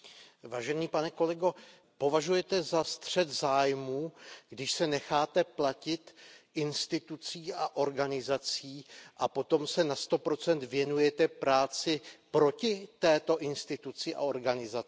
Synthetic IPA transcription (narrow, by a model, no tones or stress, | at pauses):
vaːʒɛniːpanɛko̞lɛɡo̞ | po̞vaʒujɛt̪ɛzast̪r̝̥ɛt̪zaːjmuːɡdɪʃsɛnɛxaːt̪ɛplacɪt̪ʔɪnst̪ɪt̪ut͡siːʔaʔo̞ɾɡanɪzat͡siːʔapo̞t̪o̞msɛnast̪o̞pɾo̞t͡sɛnt̪vjɛnujɛt̪ɛpɾaːt͡sɪpɾo̞cɪt̪ɛːt̪o̞ʔɪnst̪ɪt̪ut͡sɪʔa̰o̞ɾɡanɪzaɪ